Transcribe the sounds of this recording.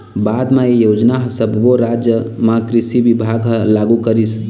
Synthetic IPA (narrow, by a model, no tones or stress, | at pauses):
bad̪maijod͡ʒnaɦsəbʱboɾad͡ʒjəmãkɾisibibʱaɡɦlaɡukəɾis